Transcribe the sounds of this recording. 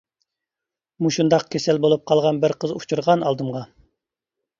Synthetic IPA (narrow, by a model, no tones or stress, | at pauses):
muʃund̪ɑq̚kʲʰesɛlbolˠup̚qʰɑlˠʁɑnbɪɾqʰəzut͡ʃʰuɾʁɑnɑlˠd̪ɨmʁɑ